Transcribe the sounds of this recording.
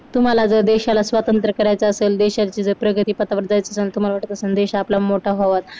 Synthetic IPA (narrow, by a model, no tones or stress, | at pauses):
t̪um̤alad͡zəd̪eɕalasʋat̪ənt̪ɾəkəɾajt͡saəseːld̪eɕat͡ɕiːd͡zəpɾəɡʱət̪iːpət̪aʋəɾd̪ajt͡saəselt̪um̤alaʋaʈət̪əsənd̪eɕaːplamoʈʰaɦoʋat̪̚